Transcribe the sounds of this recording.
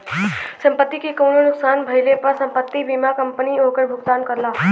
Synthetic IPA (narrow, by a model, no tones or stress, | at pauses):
səmpət̪ːikekəwɽonuksanbʱəjlepasəmpət̪ːibimakəmpəniokəɽbʱukt̪ankəɾla